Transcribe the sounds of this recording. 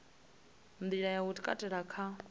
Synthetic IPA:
nd̪iɺajautikʼa̰tʼɛɺakʰa

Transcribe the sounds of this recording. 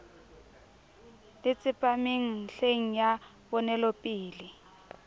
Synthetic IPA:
lɪt͡sʼɪpʼamiŋ̩ɬeŋ̩ja | βɔnɛlɔpʼiːlɪ

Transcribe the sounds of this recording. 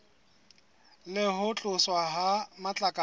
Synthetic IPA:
lɪɦʊt͡ɬʼʊswaɦamat͡ɬʼakʼa

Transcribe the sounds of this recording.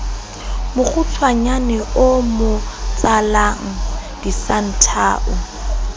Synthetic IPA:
mʊχʊt͡sʰwaɲanɛʔʊmʊt͡sʼalaŋ̩d̥isan̩tʰaːʔʊ

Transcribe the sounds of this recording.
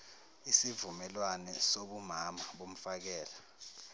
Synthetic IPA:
isivumɛlwanɛsoɓumamaɓom̩fak̬ɛːla

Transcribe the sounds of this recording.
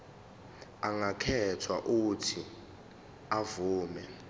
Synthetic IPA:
aŋakʰɛtʰwa̰ʔutʰi | avuːmɛ

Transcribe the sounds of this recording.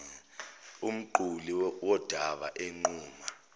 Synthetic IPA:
um̩ǃuliwɔd̥ʱaɓa̰ʔeŋ͡ǃuːma

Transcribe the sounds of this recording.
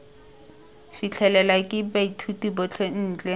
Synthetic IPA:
fit͡ɬʰɛlɛlakʼɪbaitʰutibɔt͡ɬʰen̩ːt͡ɬʼɛ

